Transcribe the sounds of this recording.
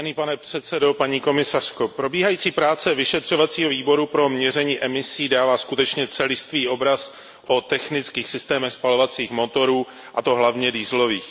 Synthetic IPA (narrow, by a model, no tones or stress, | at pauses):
aniːpanɛpr̥ɛt̪sɛdo̞paɲiːko̞mɪsar̥ko̞pɾo̞biːɦajiːt͡siːpɾaːt͡sɛvɪʃɛt̪r̝̥o̞vat͡siːɦo̞viːbo̞ɾupɾo̞mɲɛrɛɲiːʔɛmɪsiːdaːvaːskut̪ɛt͡ʃɲɛt͡sɛlɪst̪viːʔo̞bɾas | ʔo̞t̪ɛxnɪt͡skiːxsɪst̪ɛːmɛxspalo̞vat͡siːxmo̞t̪o̞ɾuː | ʔat̪o̞ɦlavɲɛdiːzlo̞viːx